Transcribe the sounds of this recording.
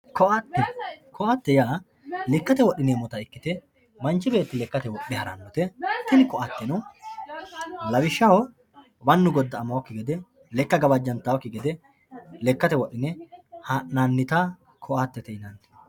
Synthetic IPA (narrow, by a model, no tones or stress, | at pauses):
kɔʔaːt̪ːɛkʰɔʔat̪ːɛjaː | lɛkːɐt̪ɛwɔɗːɪneːmɔt̪ɐɪkːɪt̪ɛ | mɐnt͡ʃːɪbe̞ːt̪ːɪlɛkːɐt̪ɛwɔɗɛhɐɾɐ̰nːɔt̪ɛt̪ɪnɪkɔʔat̪ːɛnʊw | lɐwɪʃːɐhɔ | bɐnːʊɡɔd̪ːɐːmɐwɔkːɪɡɛd̪ɛ | lɛkːɐɡɐbɐd͡ʒːɐnt̪ɐwɔkːɪɡɛd̪ɛ | lɛkːɐt̪ɛwɔɗːɪnɛhɐnanːɪt̪a | kʰɔʔat̪ːɛt̪ɛɪnɐnt̪ɛ̥